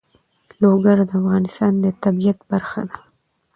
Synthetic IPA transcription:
loɡaɾd̪əafɣɑnɪst̪ɑnd̪ət̪abijat̪baɾxa̰d̪a

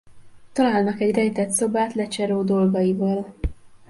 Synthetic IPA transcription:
t̪ɒlaːlnɒkɛɟrɛjt̪ɛt̪so̞baːt̪lɛt͡ʃɛɾoːd̪o̞lɡɒjivɒːl

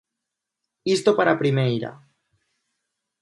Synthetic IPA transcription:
ist̪opaɾapɾimejɾa̰

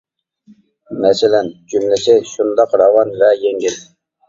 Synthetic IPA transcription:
mɛsɪlɛnd͡ʒymlɪsɪʃund̪ɑqɾɑwɑnvɛjeŋɡʲil

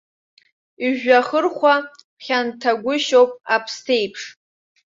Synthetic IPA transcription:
iʒᶣaχərχʷa | pχʲantʰaɡʷʊʃowpʼapʰstʰejpʰʂ

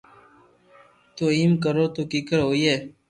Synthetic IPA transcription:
t̪oimkəɾoːt̪okikəɾɦoːje

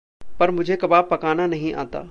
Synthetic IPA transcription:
pɐɾmʊd͡ʒʱekɐbaːpːɐkaːnanɐɦĩʔa̰ːt̪a̰ː

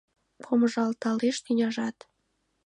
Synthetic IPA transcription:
pʰoməʒɑlt̪ɑleʃt̪ynʲɑʒɑt̪

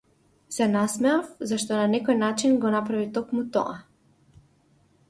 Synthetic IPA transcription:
sɛnasmɛafzaʃt̪ɔnanɛkɔjnat͡ʃinɡɔnapɾavit̪ɔkmut̪ɔ̰a

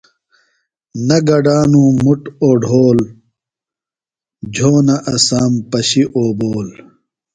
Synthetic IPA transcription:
nɐɡɐɖaːnũːmuʈoːɖʱoːl | d͡ʑʱoːnɐʔɐsaːmpɐɕiʔoːboːl

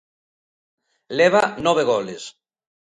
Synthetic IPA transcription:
leβ̞anɔβ̞eɣoles

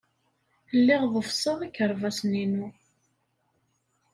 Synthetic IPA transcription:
lːɪʁðˤəfsˤəʁikːəɾˤvæsninu

